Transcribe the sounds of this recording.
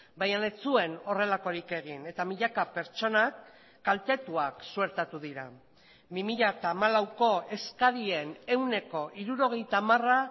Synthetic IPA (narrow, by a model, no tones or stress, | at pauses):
bajane̞t͡sue̞no̞re̞lako̞ɾike̞ɣ̞ine̞t̪amiʎakape̞ɾt͡ʃo̞nakː | alt̪e̞t̪uaksue̞ɾt̪at̪uðiɾa | bimiʎat̪amalawko̞e̞skaðie̞ne̞wne̞ko̞ʔiɾuɾo̞ɣ̞e̞jt̪amara